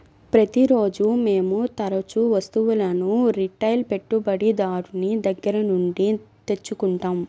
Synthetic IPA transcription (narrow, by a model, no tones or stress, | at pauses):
pɾɐt̪iɾo̞ːd͡ʒumeːmut̪ɐɾɐt͡ʃuʋɐst̪uʋulɐnuɾiʈːɐjlpe̞ʈːubɐɽid̪aːɾunid̪ɐɡːɐɾɐnuɳɖit̪e̞t͡ʃːukuɳʈaːm